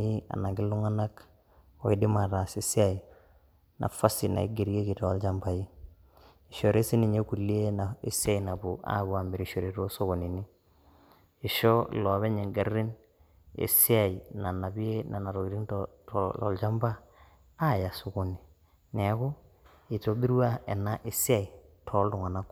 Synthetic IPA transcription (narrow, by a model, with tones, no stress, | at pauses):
i˦a̰˨na˨ŋɡi˦lu˦ŋa˦na˦k | o˨i˦di˦ma˨ɾa˨si˨si˦a˨ji˨ | na̰˨fa˦si˨na̰˨ḭ˦ɡe˨ɾi˦e˦ki˨to˨˦ld͡ʒa˦mba˨ji˦ | i˨ʃo˨ɾe˦si˦ni˨ɲe˦ku˨lːi˦e˦na˨e˨si˦a˦˨jna˨bu˨a̰˦βu˨˦a˨mbi˨ɾi˨ʃo˨ɾe˨ɾo˦so˦ko˨ni˨ni˦˨ | ʃo˦lɔ˨βe˦ɲe˨ŋɡa˨rːi˦n | ḛ˨si˦a˦˨i˨na˨na˨bi˦e˦na˨na˨ɾo˨i˨ɾi˦ŋttɔ̰˨lt͡ʃa˦mba˦ | a˦˨ja˨so˨ko˨ni˨ | ne˨a˦ko˦ | i˨to˦bi˦ɾu˦a˦e˨na˦ʔɪ˨si˦a˨i˨ | tʰɔ˨˦ltʊ˨ŋa˨na˦k